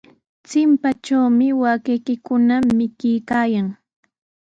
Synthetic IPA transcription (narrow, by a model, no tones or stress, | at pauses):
t͡sɪmpat͡ʃawmɪwakijkɪkʊnamɪkɪjkaːjaŋ